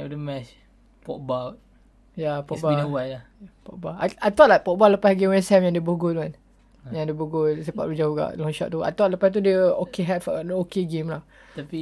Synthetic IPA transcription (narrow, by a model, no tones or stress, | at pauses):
dəmɛt͡ʃ | pɔ̰ʔbawt̚ | japɔʔbaəwaʔla | pɔ̰ʔ̚baaajt̪ɔʔlajkpɔʔ̚bɔləpasɡemwɛnsɛmjãŋdəboɡutman | jãŋdəbuɡulsepa̰ʔlud͡ʒauɡa̰ʔlɔ̃ŋʃɔ̰ʔ̚t̪ua̰t̪ɔʔ̚ləpast̪̬udəokeɦɛtfadokeɡemlaht̪api